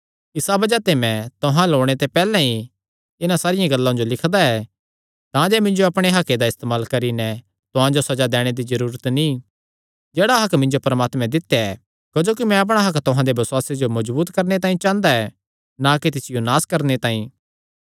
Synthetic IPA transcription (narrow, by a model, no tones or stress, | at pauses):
ɪsabɐd͡ʒat̪emɛ̃t̪ʊɦãloːɽ̃et̪epɛːlɛ̃ĩ | ɪnasaːɾɪjãɡɐlːãd͡ʒolɪkʰd̪aɛ | t̪ãd͡ʒɛːmɪ̃nd͡ʒoɐpɽ̃eɦɐkːed̪aɪst̪eːmaːlkɐɾinɛ | t̪ʊɦãd͡ʒosɐd͡ʒad̪ɛːɽ̃ed̪id͡ʒɐɾuːɾət̪ni | d͡ʒeːɽaɦɐkmɪ̃ɲd͡ʒopɐɾmaːt̪mɛ̃d̪ɪt̪ːjaɛ | kɐd͡ʒoːkimɛ̃ɐp̬ɽ̃aɦɐkt̪ʊɦãd̪ebɐsʊaːsed͡ʒomɐd͡ʒbuːt̪kɐɾnet̪aːĩt͡ʃãːnd̪aɛ | naket̪̬ɪsɪjonaːskɐɾnet̪ãːĩ